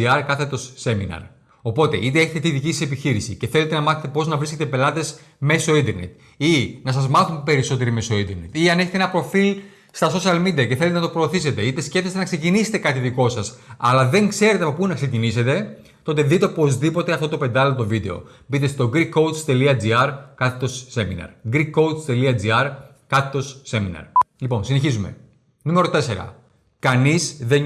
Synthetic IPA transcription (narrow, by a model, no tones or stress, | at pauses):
iɐɾkɐθet̪o̞sːe̞minɐ̰ɾ | o̞po̞t̪e̞̰ʔit̪e̞eçet̪t̪iðicisɐse̞piçiɾisḭce̞θe̞let̪enɐmɐθet̪epo̞znɐvɾisce̞t̪epe̞lɐt̪e̞s | me̞soind̪e̞ɾnḛt̪ | inɐs̬ɐzmɐθumpe̞ɾiso̞t̪̬e̞ɾime̞so̞ind̪eɾnet̪iɐne̞çet̪enɐpɾo̞fil | st̪ɐso̞siɐlmid̪iɐce̞θelet̪enɐt̪opɾo̞ːθise̞t̪e̞it̪escefθest̪enɐkse̞cinise̥t̪e̞kɐt̪iðiko̞sɐsɐlɐðe̞ŋkse̞ɾet̪eɐpopunɐkse̞cinise̞t̪e̞ | t̪o̞t̪e̞ðit̪e̞po̞zðipo̞t̪e̞ɐft̪o̞t̪ope̞nd̪ɐlot̪o̞vid̪e̞o̞̰ | bit̪est̪o̞ɡɾikːo̞w̪st̪e̞liɐd͡ziɐɾkɐt̪ːo̞sːe̞minɐ̰ɾɡɾikːo̞w̪st̪e̞liɐd͡ziɐɾ | kɐt̪ːo̞sːe̞minɐ̰ɾlipo̞nsine̞çizume̞̰ | nume̞ɾot̪e̞se̞ɾɐ̰ | kɐnizðe